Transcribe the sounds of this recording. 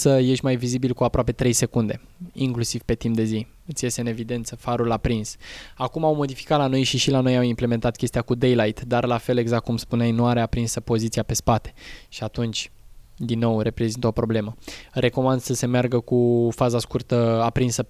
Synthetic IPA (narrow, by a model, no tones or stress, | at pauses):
səje̞ʃʲmajvizibilkuapɾoape̞t̪ɾe̞jse̞kund̪e̞ | iŋklusiv̥pe̞t̪impd̪e̞zi | ɨt̪sje̞st̪eɨne̞vid̪e̞nt̪səfaɾulapɾinsakumawmo̞d̪ifi̥kat̪lano̞jʃiʃilano̞jawimple̞me̞nt̪at̪̚kʲest̪ijakud̪e̞jlajt̪d̪arlafe̞le̞ɡzak̪kumspuneajnuaɾeapɾinsəpo̞zit̪siape̞spat̪e̥ʃiat̪unt͡ʃʲd̪inːo̞wre̞pɾe̞zint̪o̞pɾo̞ble̞məre̞ko̞mand̪̥səse̞mearɡəkufazaskurt̪əapɾinsə